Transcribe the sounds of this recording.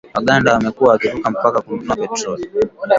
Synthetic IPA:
waɠandaamɛkuwaːkivukam̩pakakununapɛtɾɔli

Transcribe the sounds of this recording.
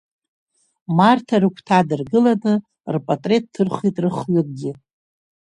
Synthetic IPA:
martʰaɾɨkʷʰtʰadɨrɡɨlanɨ | rpʼatʼre̞t̚ʼʰːɨrχitʼrɨχlɨk̚ʼɡʲɪ

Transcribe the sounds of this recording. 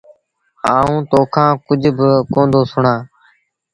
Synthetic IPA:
haːũːt̪oːkʰãːkʊd͡ʒʱbɪkõːnd̪oːsʊɳãː

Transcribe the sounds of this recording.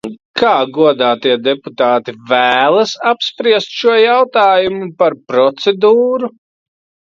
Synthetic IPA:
kʰaːɡuɔd̪aːt̪iɛd̪ɛput̪aːt̪ivæːlˠɐsapspɾiɛst̪ʃuɔjawt̪aːjumupaɾpɾɔt̪sɛd̪uːɾu

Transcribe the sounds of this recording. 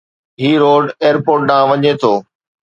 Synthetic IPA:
ɦiːɾoːɖeːəɾpoːɾʈ̚ɗãːʋɐɲet̪ʰoː

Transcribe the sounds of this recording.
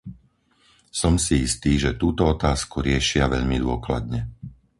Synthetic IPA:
sɔmsiist̪iːʒɛt̪uːt̪ɔɔt̪aːskuɾɪɛʃɪaʋɛʎmid̪ʊɔkla̰d̪ɲɛ

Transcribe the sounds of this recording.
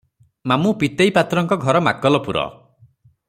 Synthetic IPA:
mamupit̪ejpat̪ɾɔŋkɔɡʱɔɾɔma̰kɔlɔpuɾɔ̰

